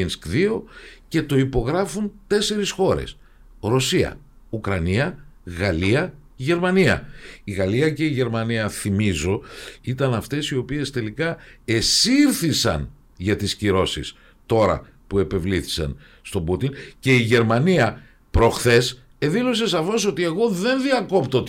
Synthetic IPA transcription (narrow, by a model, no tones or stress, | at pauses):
inskðio̞ce̞t̪o̞ipo̞ɣɾɐfunt̪e̞se̞ɾisxo̞ɾe̞̰s | ɾosiɐ̰ | ukɾɐniɐɣɐliɐ | ʝe̞ɾmɐniɐ̰iɣɐliɐce̞iʝe̞ɾmɐniɐθimizo̞it̪ɐnɐft̪e̞sio̞pie̞st̪e̞likɐe̞siɾθisɐ̰n | ʝɐt̪isciɾo̞sis | t̪o̞ɾɐ̰ | pue̞pe̞vliθi̥sɐ̰n | st̪o̞but̪ince̞iʝe̞ɾmɐniɐ | pɾo̞xθe̞s | eðilo̞s̬e̞sɐfo̞so̞t̪ie̞ɣo̞ðe̞nðiɐko̞pt̪ot̪